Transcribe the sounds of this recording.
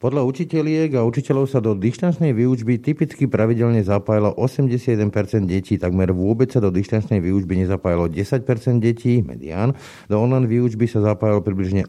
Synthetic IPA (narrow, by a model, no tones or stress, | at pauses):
pɔd̪ʎaut͡ʃicɛlɪɛɡaut͡ʃicɛʎɔʊsad̪ɔd̪iʃt̪ant͡ʃnɛjʋiːud͡ʒbit̪ipit͡skipɾaʋiɟɛʎɲɛzapaːjilɔʔɔsɛmɟɛsɪad̪jɛd̪ɛnpɛɾt͡sɛnd̪ɟɛciːt̪aɡmɛɾʋʊɔbɛt͡ssad̪ɔd̪iʃt̪ant͡ʃnɛjʋiːud͡ʒbiɲɛzapaːjalɔɟɛsac̚pɛɾt͡sɛnd̪ɟɛcʰiːmɛ̰d̪ḭa̰ːn | d̪ɔɔnlajnʋiːud͡ʒbisazapaːjalpɾibliʒɲɛ